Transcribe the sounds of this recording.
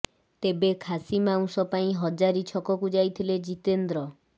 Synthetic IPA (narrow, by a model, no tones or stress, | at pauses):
t̪ebekʰasimaw̃sɔpaĩɦɔd͡ʒaɾit͡ʃʰɔkɔkud͡ʒajt̪ʰiled͡ʒit̪end̪ɾɔ